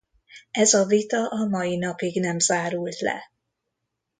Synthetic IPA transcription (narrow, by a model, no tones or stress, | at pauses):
ɛzɒvit̪ɒʔɒmɒjinɒpiɡnɛmzaːɾult̪lɛ̰